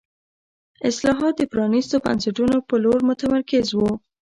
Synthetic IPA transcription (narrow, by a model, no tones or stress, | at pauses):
ɪslɑɦɑt̪̚d̪əpɾɑnist̪oba̰nsaʈunopəloɾmʊt̪amaɾkɪzwu